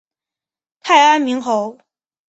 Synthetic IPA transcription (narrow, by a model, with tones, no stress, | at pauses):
t̪ʰa˥˩ɪa˥nmi˧˥ŋxo˧˥ʊ